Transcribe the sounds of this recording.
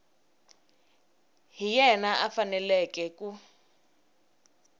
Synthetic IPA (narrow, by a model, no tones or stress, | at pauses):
ɦijɛnaʔafanɛlɛkɛku